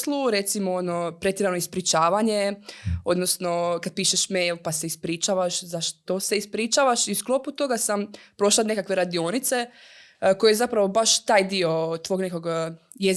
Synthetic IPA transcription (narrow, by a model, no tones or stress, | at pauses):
slˠuɾe̞t̪simoono̞pɾe̞t̪jeɾanoispɾit͡ʃaːʋaɲeo̞d̪nosno̞kad̪̚piːʃeʃmejlˠpaseispɾiːt͡ʃaʋaʃzaʃt̪ose̞ispɾit͡ʃaːʋaʃiusklˠo̞put̪o̞ɡasampɾo̞ʃlˠane̞kakʋe̞ɾad̪io̞nit̪se̞ | ko̞jezapɾaʋo̞baʃt̪aːjd̪io̞t̪ʋo̞ɡne̞ko̞ɡ | jez